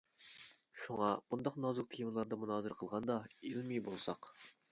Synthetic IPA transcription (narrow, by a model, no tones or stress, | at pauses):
ʃuŋɑmund̪ɑqnɑzuk̚t̪ʰijmɨlˠɑɾd̪ɑmunɑːzɨɾqʰəlˠʁɑnd̪ɑelmibolˠsɑq